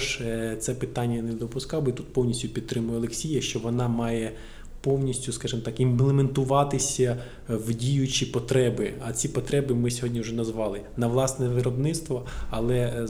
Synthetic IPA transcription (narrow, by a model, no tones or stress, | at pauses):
ʒt̪sɛpɪt̪ɑnʲːɐned̪ɔpʊskɑwbit̪ut̪̚pɔwnʲisʲtʲʊpʲid̪̚t̪ɾɪmʊjɛɔlˠeksʲijɐʃt͡ʃɔʋɔnɑmɑjɛ | pɔwnʲisʲtʲʊskɑʒɪmt̪ɑkimplˠement̪ʊʋɑt̪ɪsʲɐ | wdʲijʊt͡ʃipɔt̪ɾɛbɪɐt͡sʲipɔt̪ɾɛbɪmɪsʲɔɦɔdʲnʲiʊʒɛnɐzʋɑlˠɪnɐʋlˠɑsnɛʋɪɾɔbnɪt̪st̪ʋɔɐlˠɛ